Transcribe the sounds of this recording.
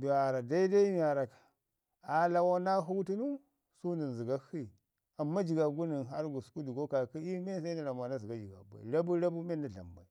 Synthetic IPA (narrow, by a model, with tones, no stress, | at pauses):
bu˨a˨ɾa˨da˦i˦da˦i˦m˦a˨ɾa˨kḁ˨ | a˨la˦wo˦na˦ɦu˦ɡtu˦nu˦ | su˦ni˨n˨zi˨ɡa˦hi˦˨ | a˨mːa˦d͡ʒi˨ɡa˨ɡu˦ni˨nɦa˦ɾɡu˨su̥˨˦ku˦du˨ɡo˦ka˨ki˦i˦me˦s̬a˦na˨ɾa˨m˨a˨na˦zi˨ɡa˦d͡ʒi˨ɡa̰˨ba̰˨i˨la˦bu˦la˦bu˦me˦nda˨ɮa̰˨mba˨i˨˦